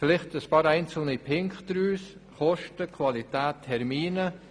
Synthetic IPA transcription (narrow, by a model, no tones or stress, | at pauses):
fɪlɪχtəspɑːɾæɪnt͡sl̩ˠnipʰɪŋkχd̥ɾyːs | χɔʃtəkʰvɑlitæːtʰːɛɾmiːnə